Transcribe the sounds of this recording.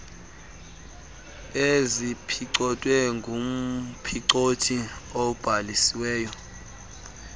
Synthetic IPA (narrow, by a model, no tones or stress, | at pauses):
ezipʰiǀɔtʼwɛŋɡʱum̩pʰiǀotʰiob̥ʱalisiwɛːjɔ